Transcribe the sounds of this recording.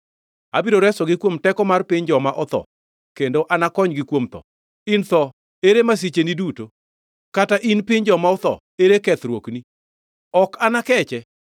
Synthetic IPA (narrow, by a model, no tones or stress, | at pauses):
a̰biɾoɾɛsɔɡɪkwomtɛkɔmarpɪɲd͡ʒɔmaʔɔt̪ɔ̰ | kendoʔanakɔɲɡɪkwomt̪ɔ̰ | int̪ɔ | eɾemas̬it͡ʃeniduto | kataʔinpɪɲd͡ʒɔmaɔt̪ɔ̰ | eɾekɛt̪ɾwokni | ɔkanakɛt͡ʃɛ